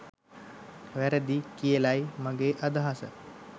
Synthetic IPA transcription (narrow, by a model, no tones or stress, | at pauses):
ʋæɾəd̪ikijəlajmaɡeːʔad̪aɦasə